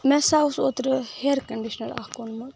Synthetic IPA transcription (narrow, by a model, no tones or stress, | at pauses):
mɛsausoːt̪ɾəheɾkɐɳɖiʃnɐla̰hkonmɐt̪